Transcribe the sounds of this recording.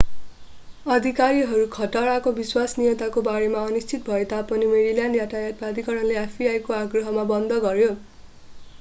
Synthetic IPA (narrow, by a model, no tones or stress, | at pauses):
ʌd̪ʱikaɾiɦʌɾukʰʌʈʌɾakobiswasnijʌt̪akobaɾemaʌnist͡sʰit̪̚bʱʌet̪apʌnimeɾiljanɖjaʈʰajat̪̚bad̪ikʌɾʌnleapʰiajkoaɡrʌɦʌmabʌnd̪ʱʌɡʌɾjo